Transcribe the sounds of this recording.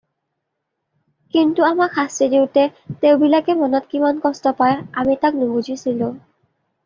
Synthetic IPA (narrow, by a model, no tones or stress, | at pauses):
kintuamakxʰastidiʊtɛteʊbilakɛmɔnɔtkimankɔstɔpajamitak̚nʊbuzʱisilʊ̃